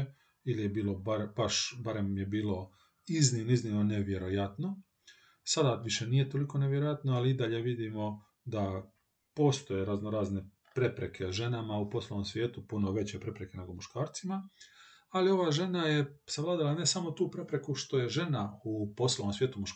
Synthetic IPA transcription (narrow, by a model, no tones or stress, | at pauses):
ilijebiːlo̞baɾbaʃbaɾe̞mje̞biːlˠo̞ | iznimnoizniʋnoneʋje̞ɾo̞jat̪no̞ | sad̪aʋiʃeniːjet̪o̞liko̞neʋjeɾojat̪noaliid̪aʎe̞ʋid̪imo̞ | d̪a | po̞ːst̪o̞jeɾaznoɾaːzne̞ | pɾe̞pɾe̞kʰeʒe̞namaupo̞slˠoʋomsʋje̞ːt̪upunoʋe̞t͡ɕepɾe̞pɾe̞ke̞ne̞ɡomuʃkaːɾt̪sima | alio̞ʋaːʒe̞najesaʋlˠaːd̪alane̞samo̞t̪uːpɾe̞pɾe̞kuʃt̪o̞je̞ʒe̞naupo̞slˠoʋomsʋjeːt̪umuʃk